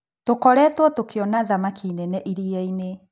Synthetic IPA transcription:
tokɔɾɛːtwɔtokʰeɔnaðamakʰiːnɛnɛʔiɾiɛine

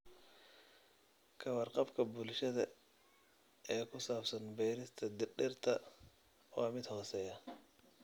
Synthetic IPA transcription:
kʰɐwɐrqɑbkʰɐbʊlʃɐðɐ | ɛːkʰʊsaːbsɐnbɛːɾɪst̪ʰɐd̪ɪrɗɪrt̪ʰɐ | wɑːmɪd̪hɔːsɛjɐ

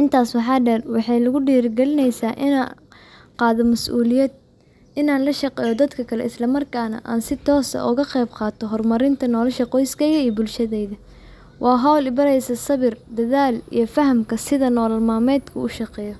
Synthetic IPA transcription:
ʕɪnt̪ʰaːswɑħɑːɖɛnwɑħɑjlʊɣʊɖiːrɡɛlɪnɛjsaːʔ | qɑːðɔmɐsuːlɪjɛd̪ | ɪnaːnlɐʃɐqɛːjɔd̪ɐd̪kʰɐkʰɐlɛ̰ɪslɐmɐrkʰaːnɐ̰ʔa̰ːnsɪt̪ʰɔːsɐ̰ʔʊɣɐqɛjbqɑːt̪ʰɔɦɔrmɐɾɪnt̪ʰɐnɔːlɐʃɐqɔjskʰɛjɣɐiːjbʊlʃɐðɛjðɐ | wʔɑːɦɔwlɪbɐɾɛjsɐsɐβɪrd̪ɐðaːlḭjɞfɐɦɐmkʰɐsɪðɐnɔːlɐlmaːmɛːd̪kʰɐʊʃɑqɛːjɔ

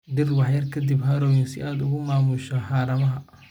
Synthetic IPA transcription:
d̪ɪrwɑħjɐrkʰɐd̪ibɦɐɾɔːjɪnsɪ̰ʔaːd̪ʊɣʊmaːmʊʃɐħɑːɾɐmɐɦɐ

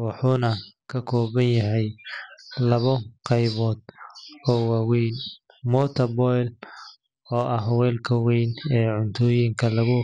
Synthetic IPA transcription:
wɑħuːnɐkʰɐkʰɔːβɐnjɐɦɛj | lɐβɔqɑjβɔːd̪̥ɔːwɑwɛjn | mɔːt̪ʰɐbɔjl | ɔːʔɐɦwɛːlkʰɐwɛjnɛːʕʊnt̪ʰɔːjɪŋkʰɐlɐɣʊ

